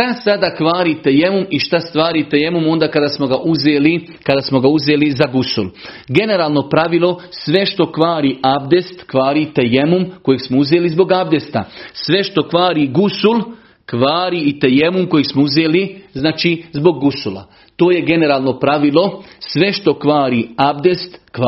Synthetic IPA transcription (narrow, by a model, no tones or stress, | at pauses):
t̪asad̪aːkʋaːɾiːt̪e̞je̞mumiʃt̪ast̪ʋaːɾiːt̪eje̞mumo̞nd̪aːkad̪asmoɡaʔuzeːli | kad̪asmo̞ɡauzeːlizaɡusṵl | ɡe̞ne̞ɾaːlˠno̞pɾaʋilˠo̞sʋe̞ʃt̪o̞kʋaːɾiabd̪est̪kʋaːɾiːt̪ejemumkojeɡsmouzeːlizbo̞ɡabd̪est̪a̰sʋe̞ʃt̪o̞kʋaːɾiɡusul | kʋaːɾiit̪ejemumko̞jeɡsmouzeːliznaːt͡ʃizbo̞ɡːusula̰ | t̪oːje̞ɡe̞ne̞ɾaːlˠno̞pɾaʋilˠo̞sʋe̞ʃt̪o̞kʋaːɾiabd̪est̪kː